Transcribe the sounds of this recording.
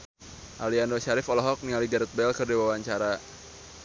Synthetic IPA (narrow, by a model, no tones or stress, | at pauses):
ʔaliandɔʃaɾɪfɔlɔɦɔk̚niŋaliɡaɾɛt̪̚bɛlkɨrdiwawaɲt͡ʃaɾa